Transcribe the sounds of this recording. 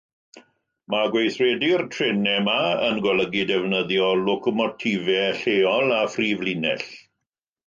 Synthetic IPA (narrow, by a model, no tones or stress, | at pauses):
maɡwejθredɪrtʰrɪnɛmaənɡwaləɡidɛvnəðjɔlʊkɔmɔtʰivɛɬeːɔlˠafriːvlinɛ̰ɬ